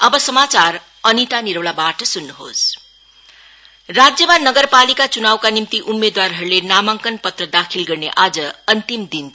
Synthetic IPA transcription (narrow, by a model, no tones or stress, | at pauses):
ʌbʌsʌmat͡sar | ʌnit̪aniɾʌwlabaʈʌsunːuɦo̰s | rad͡zjʌmanʌɡʌrpalikat͡sunawkanimt̪iʔumːed̪warɦʌɾulenamaŋkʌnpʌt̪rʌd̪akʰilɡʌrneʔad͡zʌʌnt̪imd̪in